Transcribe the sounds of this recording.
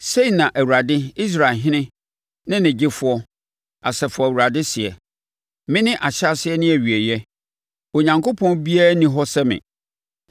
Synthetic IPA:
se˦i˨nã˨ʔæ˨wu˨ɾa˨dɪ˦i˦s̬ɾa˨ɦɪ̃˦nɪ̃˦ | nɪ̃˦nɪ̃˨d͡ʑɪ˦fʊ˦ɔ˦ | a˨sɛ˨fʊ˨ɔ˨wu˨ɾa˨dɪ˦sɪ˨ɛ̰˨ | mɪ̃˦nɪ̃˦ʔa˨ɕa˦sɪ˦ɛ˦nɪ̃˦æ˨ɥi˨æ˨jɛ˦ | o˨ɲã˨ŋkʰo˦pʰɔ̃˦nbi˦a˦nĩ˦ɦɔ˦sɛ˦mɪ̰̃˨

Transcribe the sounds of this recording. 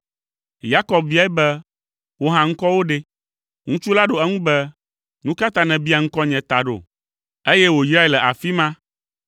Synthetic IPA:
ja˦kɔ˨b̚vi˦a˦ɛ˦bɛ˦ | wo˦ɦã˦ŋ̩˦kɔ˦wo˦ɖe˦ | ŋũ˦t͡ʃu˦la˦ɖo˨ɛ˦ŋũ˦bɛ˦ | nũ˦ka˦t̪ã˦nɛ̃˨bi˦a˨ŋ̩˦kɔ˦ɲɛ̃˨t̪a˨ɖo̰˨ | e˦jɛ˦wo˨i˨sɾa˦e˨lɛ˨ʔa˨fi˦mã˦

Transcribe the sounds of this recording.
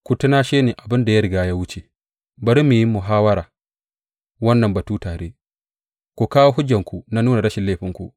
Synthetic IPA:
ku˨tu˦naː˦ʃeː˦ni˨ʔa˨bɪ˦nda˨ja˦ɾɪ˨ɡaː˦ja˦wu˦t͡ʃe˨ | bɐ˨ɾi˦mːi˨ji˦mːu˨ɦaː˦wɐ˦ɾaː˨ | wɐ˦nːɐ˨mbɐ˨tuː˦taː˨ɾe˦ | kʷɔ˨kaː˦wo˦ɦʊ˦d͡ʒːɐ˨ŋku˨na˦nuː˦na˨ɾɐ˦ʃɪ˨lːeː˦ɸɪ˦ŋkṵ˨

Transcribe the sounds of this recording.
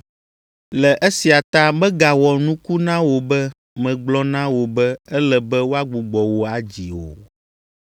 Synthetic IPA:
lɛ˨ʔɛ˦si˨a˨t̪a˦bɛ˦ɡa˨wɔ˨nũ˦ku˦nã˦wo˨bɛ˦ | mɛ̃˨ɡ͡blɔ˦nã˦wo˨bɛ˦ɛ˦lɛ˨bɛ˦wo˦a˦ɡ͡bu˨ɡ͡bɔ˨wo˦a˨d͡ʑi˨o̰˨

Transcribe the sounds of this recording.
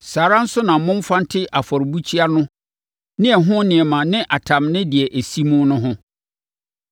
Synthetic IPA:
saː˨ɾã˦n̩˦sʊ˦nã˨˦mʊ̃˦m˦fã˦n˦tʰɪ˦ʔa˨fɔ˨ɾbu˦t͡ɕʰi˦a˦nʊ̃˦ | nɪ̃˦ɛ˨ɦʊ̃˦nɪ̃˨ɛ˨mã˨nɪ̃˦ʔa˨tʰã˨mnɪ̃˦di˨ɛ˨ʔæ˨si˦mʊ̃˦nʊ̃˦ɦʊ̃˦

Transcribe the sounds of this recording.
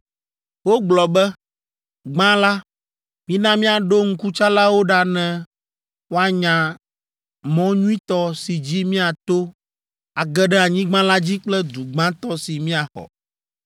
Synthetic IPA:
wo˦ɡ͡blɔ˨bɛ˦ | ɡ͡bã˦la˦ | mĩ˦nã˦mĩ˦a˨ɖo˦ŋ̩˦ku˦t͡ʃa˦la˦wo˦ɖa˦nɛ̃˦ | wo˦a˨ɲã˨ | mɔ̃˦ɲũ˦ĩ˦t̪ɔ˦si˨d͡ʑi˦mĩ˦a˨t̪o˦ | a˨ɡɛ˦ɖɛ˦a˨ɲĩ˦ɡ͡bã˦la˦d͡ʑi˦k͡plɛ˦d̪u˨ɡ͡bã˦t̪ɔ˦si˨mĩ˦a˨xɔ̰˨

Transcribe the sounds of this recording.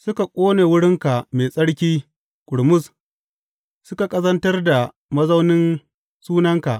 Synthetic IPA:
sʊ˦ka˨kʷʼoː˦neː˨wʊ˦ɽɪ˦ŋka˨meː˨sʼɐ˦ɽkʲiː˦ | kʷʼʊ˨ɽmʊ˦s | sʊ˦ka˨kʼɐ˦zɐ˦ntɐ˦rda˨ | mɐ˦zɐ˦wnɪ˦n | suː˦nɐ˦ŋka̰˨ʔ

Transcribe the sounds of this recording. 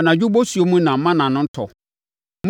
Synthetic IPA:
nã˨d͡ʑᶣu˦bo˦su˨o˦mũ˦nã˨m̩˦mã˦nã˨nʊ̃˦n̩˦tʰɔ̰˨ | m

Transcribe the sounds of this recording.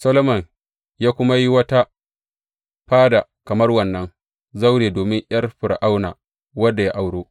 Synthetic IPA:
sɐ˦lo˦mɐ˨n | jaː˦kʷʊ˦ma˦ji˦wɐ˦ta˦ | ɸaː˦da˨kɐ˨mɐ˦rwɐ˨nːɐ˦n | za˦wɽeː˨doː˨mɪ˦ŋʔj̰ɐ˦rɸɪ˨ɾʔa˦wna̰ː˨ | wɐ˦dːa˨jaː˦ʔa˨wɽoː˦ʔ

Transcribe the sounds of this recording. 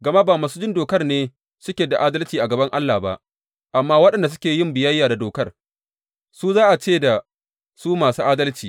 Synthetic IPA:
ɡɐ˨ma˦baː˨maː˨suː˦d͡ʒɪ˦ndoː˨kɐ˦rneː˦ | sʊ˦kʲeː˨da˨ʔaː˦dɐ˦lt͡ʃiː˨ʔa˨ɡɐ˨bɐ˦ŋʔa˦lːaː˨ba̰˦ʔ | ʔa˨mːaː˦wɐ˦ɗɐ˨nda˨s̬ʊ˦kʲeː˨jɪ˦mbɪ˨jɐ˦jːaː˨da˨doː˨kɐ˦r | suː˦zaː˦ʔa˨t͡ʃeː˦˨da˨ | suː˦maː˨suː˦ʔaː˦dɐ˦lt͡ʃiː˨

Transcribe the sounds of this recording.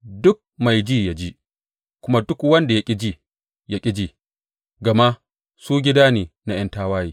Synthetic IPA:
dʊ˦k̚ma˨jd͡ʒiː˦ja˦d͡ʒi˦ | kʷʊ˦ma˦dʊ˦kwɐ˦nda˨ja˦kʲʼɪ˦d͡ʒiː˦ | ja˦kʲʼɪ˦d͡ʒiː˨ | ɡɐ˨ma˦ʔ | suː˦ɡʲɪ˦daː˦neː˨na˦j̰ɐ˦ntaː˦waː˦jiː˦

